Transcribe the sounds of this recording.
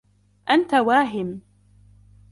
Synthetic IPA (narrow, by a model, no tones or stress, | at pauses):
ʔant̪awaːɦɪm